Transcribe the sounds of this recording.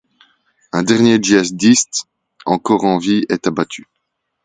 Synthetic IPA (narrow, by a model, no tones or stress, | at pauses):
ɛ̃d̪ɛʁnjed͡ʒiazd̪ist̪ | ɑ̃kɔːʁɑ̃viɛt̪abat̪ʰy